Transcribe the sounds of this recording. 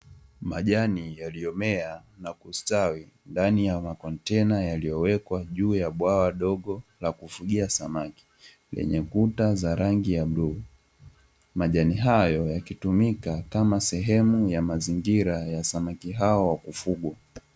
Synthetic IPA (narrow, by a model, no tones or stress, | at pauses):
maʄanijalijɔmɛanakustawi | ndanijamakɔntɛnajalijɔwɛkwaʄuːjaɓwawaɗɔɠɔlakufuɠiasamaki̥ | lɛ̰ɲɛkutazaɾaŋɡijaɓɾu | maʄaniɦajɔjakitumikakamasɛɦɛmujamaziŋɡiɾajasamakiɦaɔwakufuɡwa